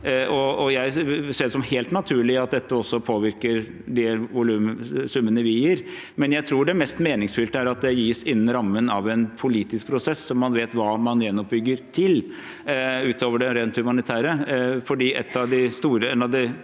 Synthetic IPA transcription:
ʔɔɔjæɪseːʂɔmheːlt̪nɑt̪ʰʉːɭɪɑt̪̚d̪ɛt̪ːəɔsːɔpʰoːʋɪɾkəɾ | ɖɛʋʊlʉːmsʉmːənəʋɪjiːɾ | mɛnjæɪt̪ʰɾuːɖɛmɛst̪meːnɪŋsfʏlt̪əæɾɑt̪̚d̪ɛjiːsɪn̩ːɾɑmːənɑʋɛnpʰʊliːt̪ɪsk̚pʰɾʊsɛsːɔmːɑnʋeːt̪ʋɑːmɑnjɛnːɔp̚bʏɡːəɾt̪ʰɪl | ʉːt̪oːʋəɖɛɾeːnt̪hʉmɑnɪt̪ʰæːɾəfɔɖiːʔɛt̪ːɑʋd̪ɪst̪uːɾəɛnɑʋd̪ɪ

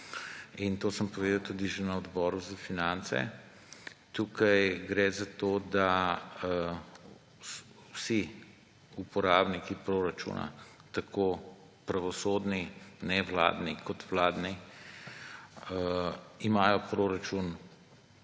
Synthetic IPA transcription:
int̪oːsəmpɔʋeːd̪ɐwt̪uːd̪iʒenɐɔd̪bɔːɾuzafinant̪sɛ̰ | t̪uːkɐjɡɾɛzat̪oːd̪a | wsi | upɔɾaːbnikipɾoɾat͡ʃṵna̰t̪akʰo | pɾaʋɔsoːd̪ninɛʋla̰ːd̪nikʰɔt̪ʋlaːd̪ni | imaːjɔpɾoɾat͡ʃun

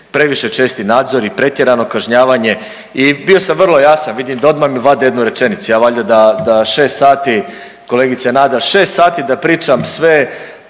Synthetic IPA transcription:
pɾe̞ʋiʃe̞t͡ʃeːst̪inaːd̪zo̞ɾipɾe̞t̪je̞ɾano̞kaʒɲaːʋaɲe̞ | ibio̞samvr̩lˠo̞jasanʋid̪imd̪ao̞d̪mamiʋad̪ejed̪nuɾe̞t͡ʃe̞nit̪sujaːʋaːʎad̪ad̪aʃe̞ːst̪saːt̪i | ko̞leːɡit̪senaːd̪aʃe̞ːst̪saːt̪id̪apɾiːt͡ʃamsʋe

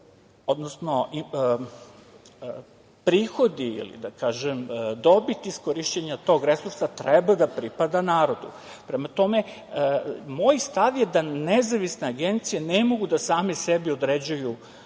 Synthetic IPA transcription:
od̪nosno̞i | pɾiːxo̞d̪iḭlḭd̪akaːʒemd̪o̞bit̪iskoɾiʃt͡ɕeɲat̪o̞ːɡɾesuɾsat̪ɾɛbad̪apɾipad̪anaːɾo̞d̪ṵ | pɾemat̪o̞me̞ | mojst̪aʋjed̪anezaʋisne̞aɡent̪sijenemo̞ɡud̪asaːmesebiod̪ɾed͡ʑuju

